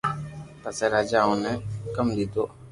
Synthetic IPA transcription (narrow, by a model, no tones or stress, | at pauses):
pasɛɾad͡ʒaũnɛ̃kamdit̪o